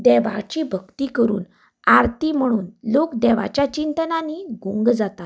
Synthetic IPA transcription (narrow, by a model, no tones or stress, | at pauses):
d̪ɛʋa̰t͡ɕibʱəkt̪ikəɾṵːn | aɾt̪im̤əɽ̃uːnlokd̪ɛʋ̤a̰t͡ɕjat͡ɕint̪ənaniɡuŋɡd͡zat̪a